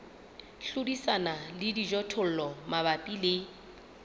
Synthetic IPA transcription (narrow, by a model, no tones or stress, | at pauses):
ɬʊdisanalɪdid͡ʒɔtʰʊl̩lɔmabapʼilɪ